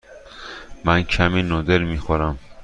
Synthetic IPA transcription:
mæncʰæmiːnoːd̪eɾmiːxoɾæm

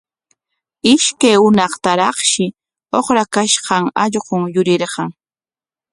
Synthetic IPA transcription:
ɪʃkajʊnɑχt̪aɾɑχʃɪ | oχɾakaʃɢɑŋɑʎɢʊŋjʊɾɪɾɢɑŋ

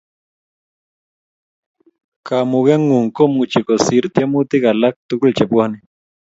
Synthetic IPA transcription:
kamuɣjaŋuŋkomut͡ʃekosiɾt̪jamut̪iɣalak̚t̪ukult͡ʃepuani

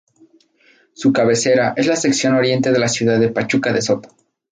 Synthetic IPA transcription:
sukaβe̞se̞ɾaʔe̞zlase̞ksjo̞no̞ɾje̞nt̪e̞ð̞e̞lasjuðaðepat͡ʃukaðeso̞t̪o̥

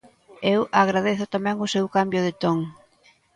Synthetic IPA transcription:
ewaɣ̞ɾað̞eθʊt̪amɛ̃ŋʊsewkambjʊð̞ɪt̪oŋ

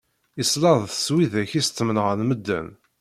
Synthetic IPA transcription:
islɑðˤθəswiðæçist̪ːmənʁənməd̪ːæ̰n

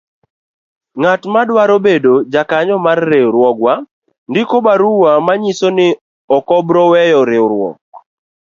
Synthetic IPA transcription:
ŋatmadwaɾobedod͡ʒakaɲɔmarːeɾwɔɡwa | ndɪkobaɾuwamaɲisonɪ | ɔkɔbɾɔwɛjɔɾeɾwɔ̰k̚

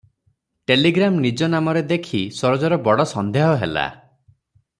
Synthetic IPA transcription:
ʈeliɡɾamnid͡ʒɔnamɔɾed̪ekʰisɔɾɔd͡ʒɔɾɔbɔɽɔsɔnd̪ʱeɦɔɦela̰

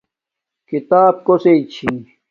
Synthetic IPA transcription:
kit̪aːb̚koseit͡ɕʰi

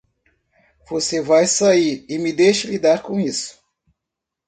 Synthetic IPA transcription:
v̥osevajsaiɾɪmɪd̪ejʃɐlid̪aɾkõisʊ̥

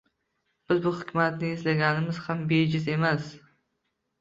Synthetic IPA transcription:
b̥ɪzbʊhʊkʲmat̪nɪɪzlaɡʲanɪmɪz̥hambed͡ʒɪze̞mas

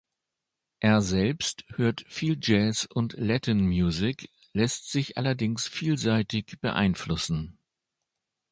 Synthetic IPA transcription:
ʔeːɐzɛlpsthøːɐtfiːld͡ʒɛːsʔʊntlɛtʰənmjuːzɪk | lɛstz̥ɪçʔa̰lɐdɪŋsfiːlzaɪtɪçb̥əʔa̰ɪnflʊsn̩

